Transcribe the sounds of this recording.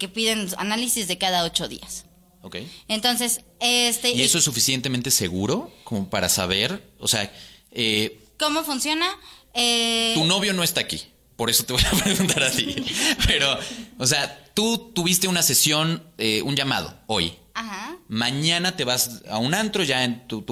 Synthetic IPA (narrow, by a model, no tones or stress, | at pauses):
ke̞piðena̰nalisizðe̞kaðao̞t͡ʃo̞ðḭas | okḛjent̪o̞nse̞sest̪eie̞so̞esufisje̞nt̪e̞mẽnt̪e̞se̞ɣuɾo̞ko̞mo̞paɾa̰sa̰β̞e̞ɾo̰se̞ae | ko̞mo̞funsjo̞naet̪uno̞βjo̞no̞est̪aːkḭ | po̞ɾeso̞t̪eβo̞japɾe̞ɣunt̪aɾat̪ipe̞ɾo̞os̬eat̪ut̪uβist̪e̞unase̞sjo̞neunʝama̰ð̞o̞̰o̞̰j | ahamãɲãnat̪e̞βasa̰unãnt̪ɾo̞ʝae̞nt̪ut̪u